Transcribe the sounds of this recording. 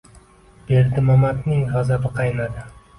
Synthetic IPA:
b̥eɾd̪ɪmamat̪nɪŋʁazabɪqʰɑjnad̪ɪ

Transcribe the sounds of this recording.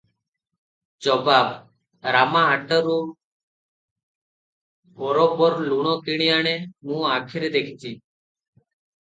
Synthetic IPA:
t͡ʃoːbaːb | ɾaːmãːɦaːʈəɾoː | boːɾoːbəɾluːɳ̃õːkɪɳ̃ijaːɳeːmũːaːkʰɪɾeːd̪eːkʰːt͡ʃiː

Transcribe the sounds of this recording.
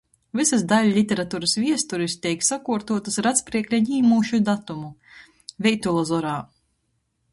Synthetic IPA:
vɨsazd̪alʲlʲit̪ʲɛɾat̪uːɾasvʲiɛst̪uɾist̪ʲɛjksakuɔɾt̪uɔt̪ɨsɾat̪spɾiɛklʲaɲiːmuːʃud̪at̪umu | vʲɛjt̪ulˠɔzɔɾaː

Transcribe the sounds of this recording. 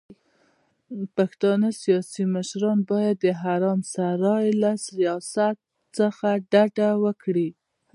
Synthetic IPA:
paxt̪ɑnəsijɑsiməʃɾɑnbɑjad̪ːəɦaɾɑmsaɾɑjlasijɑsat̪ | səxaɖaɖawəkɽi

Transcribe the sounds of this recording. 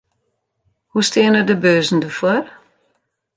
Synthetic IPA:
hustɪːənədəbøːzn̩dəfʊr

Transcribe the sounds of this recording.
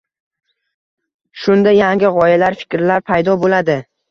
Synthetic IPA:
ʃʊnd̪ajaŋɡʲɪʁɒjalaɾfɪ̥kʲɾlaɾpʰajd̪ɒbolad̪ɪ

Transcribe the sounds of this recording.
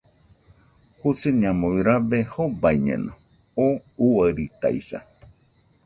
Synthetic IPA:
husɨɲãmoiɾabehobajɲḛ̃nõ | ouwaɾit̪a̰isa̰

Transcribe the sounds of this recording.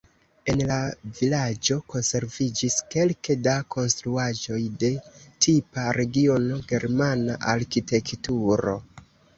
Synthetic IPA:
e̞nlavilad͡ʒo̞ko̞nse̞ɾvid͡ʒiske̞lkedakʰo̞nst̪ɾuaʒo̞jde̞tʰipaɾe̞ɡio̞no̞ɡe̞ɾmanaʔaɾkite̞ktuɾo̞̰

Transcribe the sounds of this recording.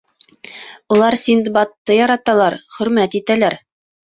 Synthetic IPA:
ulˠɑɾsind̪bɑt̪ːɤjɑɾɑt̪ɑlˠɑɾχɵ̆ɾmæt̪it̪ælæɾ

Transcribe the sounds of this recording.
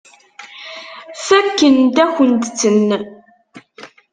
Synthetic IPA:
θækːənt̪æçənt̪t͡sːənː

